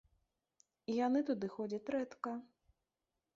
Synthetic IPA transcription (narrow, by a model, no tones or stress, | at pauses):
ijanɨt̪ud̪ɨxɔd͡zʲɐt͡sʲɾɛt̪kɐ